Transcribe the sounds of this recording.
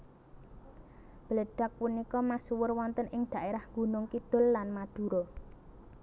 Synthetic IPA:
b̥ələɖ̥a̤k̚punikɔmasuwʊrwɔnt̪ənʔɪŋd̪̥ä̤ʔeɾahŋɡṳnʊŋkid̪̥ʊ̤lːanmad̪̥ṳɾo

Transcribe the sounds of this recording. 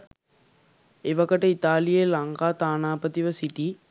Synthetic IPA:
eʋɐkəʈəit̪aːlijelɐŋkaːt̪aːnaːpət̪iʋəsiʈiː

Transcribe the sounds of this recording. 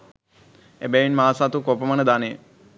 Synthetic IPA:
ebɛʋinmaːsat̪ukopəmənəd̪anejə

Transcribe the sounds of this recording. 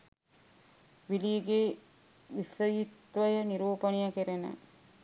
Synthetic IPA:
ʋiliɡe | ʋisəjit̪ʋəjəniɾuːpɐnijɐkeɾenə̰

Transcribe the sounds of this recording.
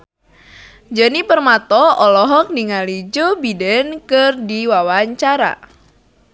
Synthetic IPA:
d͡ʒənipərmat̪ɔɔlɔɦɔk̚niŋalid͡ʒobidɛnkɨrdiwawaɲt͡ʃaɾa̰

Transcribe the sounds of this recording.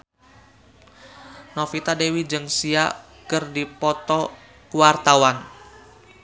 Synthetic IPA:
nɔfit̪adewid͡ʒɨŋsia | kɨrdipɔt̪ɔ | kuwart̪awan

